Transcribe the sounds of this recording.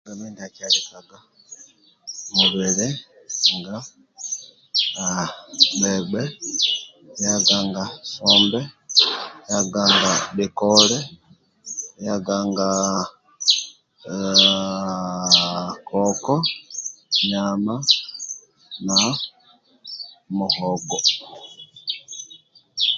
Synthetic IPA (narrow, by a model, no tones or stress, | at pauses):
ŋɡamiːndiakalikaɡa | muβiɾi | ŋɡa | beɡ͡be | jaɡaŋɡasoːmbe | jaɡaŋɡaβikole | jaɡaŋɡa | kʰɔkɔ | ɲama | na | muhɔɡɔ